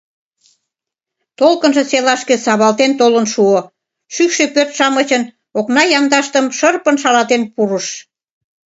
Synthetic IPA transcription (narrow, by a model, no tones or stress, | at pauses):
t̪olkənʒĕselɑʃkĕsɑβɑlt̪ent̪olənʃuo | ʃykʃepørt̪ʃɑmət͡ɕən | oknɑjɑmd̪ɑʃt̪əmʃərpənʃɑlɑt̪enpuɾəʃ